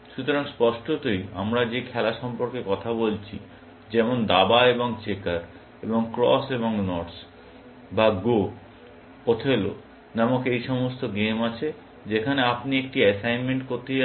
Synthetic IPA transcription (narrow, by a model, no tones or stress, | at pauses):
ʃut̪oɾaŋspɔʃʈot̪oja̰mɾad͡ʑekʰɛlaʃɔmpoɾkekɔt̪ʰabolt͡ɕʰḭ | d͡ʑɛmond̪abaeboŋt͡ɕekaɾ | eboŋkɾɔ̰seboŋnɔʈs | baɡo | pot̪ʰelo̰ | namokejʃɔmost̪oɡemat͡ɕʰe | d͡ʑekʰaneapniek̚ʈiɛsajnmeɳʈkoɾt̪e